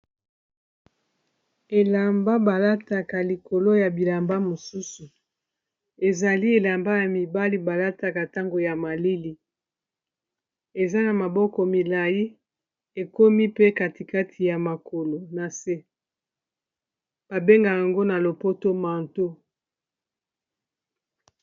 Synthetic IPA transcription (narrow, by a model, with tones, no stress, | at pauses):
e˨la˨mba˦ba˨la˦ta˨ka˨li˨ko˨lo˦ja˨bi˨la˨mba˦mo˨su˦su˨ | e˨za˨li˦e˨la˨mba˦ja˨mi˨ba˦li˦ba˨la˦ta˨ka˨ta˦ŋɡo˨ja˨ma˨li˦li˨ | e˨za˦na˨ma˨bɔ˦kɔ˨mi˨la˨ji˦ | e˨ko˦mi˦pe˦ka˨ti˨ka˦tʰi˨ja˨ma˨ko˨lo˨na˨se˦ | b̥a˨be˦ŋɡa˨ja˨ŋɡo˦na˨lo˨po˦to˦ma˨nto˦